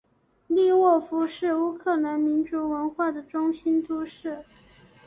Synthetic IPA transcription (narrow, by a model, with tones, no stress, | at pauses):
li˥˧wɔ˥˩fu˧˥ʂɻ̩˥˩u˥kʰɤ˥˩la˧˥nmi˧˥nʈ͡ʂu˧˥wə˧˥nxwa˥˩d̪ə˩ʈ͡ʂʊ˥ŋɕi˥nt̪ʰu˥ʂɻ̩˥˩